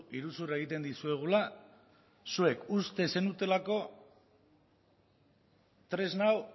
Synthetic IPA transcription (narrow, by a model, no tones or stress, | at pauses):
iɾusurae̞ɣ̞it̪e̞nd̪isue̞ɣ̞ula | sue̞kust̪e̞se̞nut̪e̞lako̞ | t̪ɾe̞znaw